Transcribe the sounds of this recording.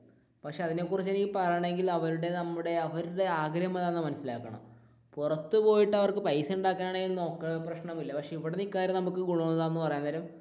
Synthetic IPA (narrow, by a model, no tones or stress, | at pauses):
pɐkʂeɐðine̞ːkːurit͡ɕːe̞nikʲːɨpɐrɐjɳe̞ŋɡilɐʋɐɾuɽe̞nɐmːuɽe̞ɐʋɐɾuɽe̞aːɡɾɐjɐmɐðaːnːɐmɐnɐsːilaːkːɐɳɐ̰m | purɐt̪ːɨpo̞ːjiʈːɨɐʋɐrkɨpɐjsuɳɖaːkːaːnaːɳeɡilno̞ːkːɐprɐɕɳɐmilːɐpɐkʂe̞ipːoɽenikːaːɾjɐnɐmukːɨɡuɭonːɐðaːnːɨpɐrɐjaːnd̪ɐɾum